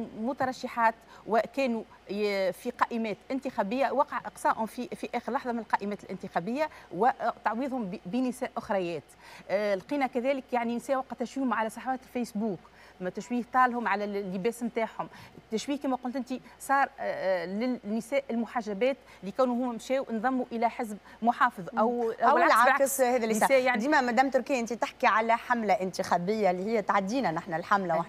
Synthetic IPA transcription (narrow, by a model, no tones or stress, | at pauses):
mʊt̪ɑɾˤɑʃːɪħɑːt̪wɪkæːnu | fiqɑːʔɪmɛːt̪ʔɪnt̪ɪxæbɪjːawɑːqʕʔɑqsˤɑːʔhʊmfifiʔæːxəɾlɑħðˤɑmɪnɪlqɑːʔɪmɛːt̪ɪlʔɪnt̪ɪxæbɪjːawɪt̪ɑʕwiːðˤhʊmbinɪsæːʔʔʊxɾˤɑjɛːt̪lqiːnækæðæːləkjaʕninsæːʔwæqɑt̪ːæʃwiːhʊmʕalæsˤɑħwæːt̪ɪlfæjsbuːk | mt̪æʃwiːht̪ˤɑːlhʊmʕalælːɪbæːsmt̪aːħhʊmt̪ːæʃwiːhkæːmæqʊlt̪ʔɪnt̪isˤɑːɾˤlɪnːɪsɛːʔɪlmʊħaʒːæbɛːt̪ | likæwnuhʊmːæmʃɛːwnðˤɑmːuʔɪlæħɪzb̚ | mʊħɑːfɨðˤʔæwʔæwlʕaakshɛːðælːsæːʔjaʕnd̪iːmæmæd̪æːmt̪ʊɾkɪjːʔɪnt̪it̪ɪħkiʕalæħamlaʔɪnt̪ixæbɪjːaliːhɪjːæt̪ʕad̪ːiːnænaħnælħamlawaħ